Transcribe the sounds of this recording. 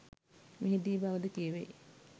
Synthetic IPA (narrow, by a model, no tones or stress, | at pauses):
miɦid̪iːbaʋəd̪əkieʋe